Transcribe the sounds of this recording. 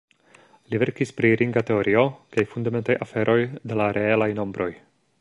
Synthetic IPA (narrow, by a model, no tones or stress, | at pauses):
live̞ɾkispɾiɾʔiŋɡate̞o̞ɾio̞kajfundame̞ntajʔa̰fe̞ɾʔo̞jde̞laɾʔe̞elajno̞mbɾʔo̞j